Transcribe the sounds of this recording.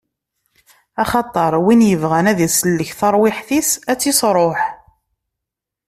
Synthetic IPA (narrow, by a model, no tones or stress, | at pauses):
ɑχɑt̪ˤːɑɾˤwinjəvʁænæðisəlːəçθɑɾˤwɪħθisæt͡sːisɾˤoħ